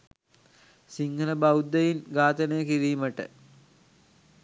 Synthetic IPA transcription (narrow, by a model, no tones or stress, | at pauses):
siŋɡələbɐwd̪ːejinɡaːt̪ənejəkiɾiːməʈə̰